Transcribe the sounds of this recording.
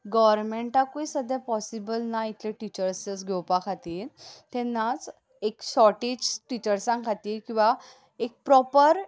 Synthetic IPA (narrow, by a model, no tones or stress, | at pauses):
ɡɔʋəɾmeɳʈakoisəd̪ʱjapɔsibəlnait̪ʰleʈit͡ɕəɾsət͡sɡʱewpakʰat̪iːɾt̪ɛnːat͡s | ekɕɔʈed͡ʑʈit͡ɕəɾsãŋɡkʰat̪iːɾkĩw̃ʋa | ek̚pɾɔpəɾ